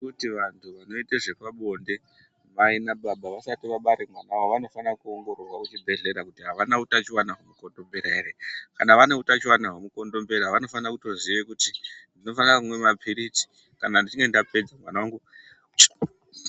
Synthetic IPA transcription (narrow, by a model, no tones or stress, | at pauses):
kutiʋantʰuʋano̞iteʐe̞paɓo̞nde̞ | mainaɓaɓaʋasatiʋaɓaɾemwanawaoʋano̞fanakuoŋɡo̞ɾorwakut͡ʃibʱe̞ɮe̞ɾakutiɦaʋanautat͡ʃiwanaɦomukondo̞mbeɾaeɾekanaʋanautat͡ʃiwanaɦomuko̞ndo̞mbeɾaʋano̞fanakuto̞ziʋekutindino̞fanakumwe̞mapʰiɾit͡si̥ | kanandit͡ʃiŋɡendape̞d͡zamwanawaŋɡu